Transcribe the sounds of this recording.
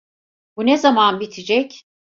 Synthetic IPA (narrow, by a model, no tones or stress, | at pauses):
bunezamanbit̪ʰid͡ʒɛc